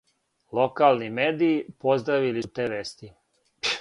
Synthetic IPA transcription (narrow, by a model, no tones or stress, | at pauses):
lˠo̞kalˠnimeːd̪iːpo̞zd̪ɾaʋilit̪eːʋest̪i